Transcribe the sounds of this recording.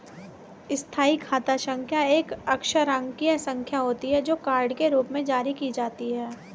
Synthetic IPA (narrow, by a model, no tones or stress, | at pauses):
ɪst̪ʰaːikʰaːt̪aʃə̃ŋkʰjaeːkɐkʃəɾə̃ŋɡkiesə̃ŋkʰjaɦoːt̪iɦɛd͡ʒoːkaːɾɖkeɾuːpmẽd͡ʒaːɾikid͡ʒaːt̪iɦɛː